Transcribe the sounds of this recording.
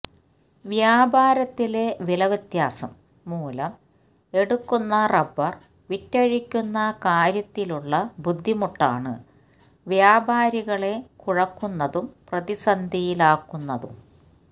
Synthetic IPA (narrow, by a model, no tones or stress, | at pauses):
ʋjaːbaːɾɐt̪ːile̞ʋilɐʋɐt̪jaːsɐ̰mː | uːlɐm | e̞ɽukːunːɐrɐbɐr | ʋitːɐɻikʲːunːɐkaːɾjɐt̪ːiluɭːɐbud̪ʱːimuʈːa̰ːɳɨ̰ | ʋjaːbʱaːɾiɣɐɭe̞kuɻɐkːunːɐðumprɐðisɐnd̪ʱijilaːkːunːɐðum